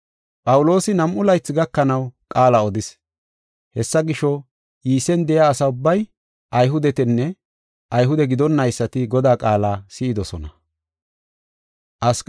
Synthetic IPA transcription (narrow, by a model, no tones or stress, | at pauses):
pʼɐwʊlo̞ːsɪnɐmʔʊlɐjt͡sːɪɡɐkːɐnɐwkʼaːlɐɔd̪ɪs | hɛsːɐɡɪʃɔ | jiːsɛnd̪ɛjaːsɐʊbːɐj | ʔɐjɦʊd̪ɛt̪ɛnːɛ | ʔɐjɦʊd̪ɛɡɪd̪ɔnːɐjsːɐt̪ɪɡɔd̪aːkʼaːlaːsɪɪd̪ɔsɔnɐ | ʔɐsk